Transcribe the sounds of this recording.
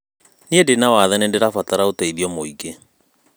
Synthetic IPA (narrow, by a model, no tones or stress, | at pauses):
niendenawaðɛnendeɾafataɾaotɛiðiɔmoiɡe